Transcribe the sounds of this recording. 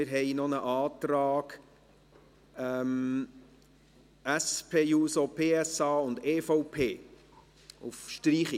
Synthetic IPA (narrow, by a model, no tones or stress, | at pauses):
mɪɾɦɛɪnɔnəʔɑːt̪ɾɑːɡ | ɛm | æspʰeːjuːsɔpʰeːɛsɑːʊnd̪eːfɔʊpʰeː | ufʃtɾiːχi